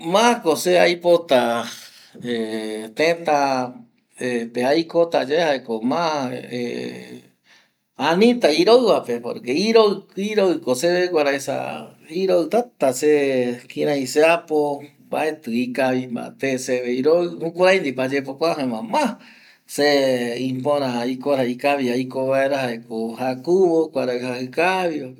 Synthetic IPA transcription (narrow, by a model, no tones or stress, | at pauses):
mãkoseajpot̪a | et̪ẽt̪a | epeajkot̪ad͡ʒaehaekomãḛ | anĩt̪aiɾoɨβapepo̰ɾkeiɾoiɾoɨkoseβekʷaɾaesa̰iɾoɨt̪at̪asekiɾãĩseapo | baet̪ɨikaβimã̰t̪eseβeiɾoɨhũkʷaɾajnd̪ipad͡ʒepokʷaɦẽmãmã | seĩpõɾãikoɾaikaβiaikoβaeɾahaekohakuβokʷaɾaɨhahɨkaβio